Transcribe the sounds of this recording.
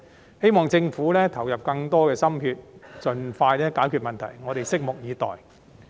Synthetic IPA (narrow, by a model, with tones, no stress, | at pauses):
he˥jmɔː˨ŋt͡sɪ˧ŋfuː˨˥lɛː˥t̪ʰɐ˨˩wjɐ˨p̚kɐ˧ŋt̪ɔː˥kɛː˧sɐ˥mhyː˧t̚t͡sɵ˨nfaː˧jlɛː˥kaː˨˥jkʰyː˨˧t̚mɐ˨˩nt̪ʰɐ̰˨˩jŋɔː˨˧ɾe˨jsɪ˥k̚mʊ˨k̚jiː˨˧t̪ɔ̰ː˨j